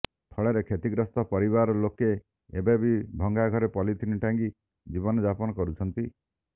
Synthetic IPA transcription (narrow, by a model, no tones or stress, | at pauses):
t̪ʰɔɭeɾekʰet̪iɡɾɔst̪ɔpɔɾiβaɾɔloke | ebebibʱɔŋɡaɡʱɔɾepɔlit̪ʰiniʈaŋki | d͡ʒibɔnɔd͡ʒapɔnɔkɔɾut͡ʃʰɔnt̪i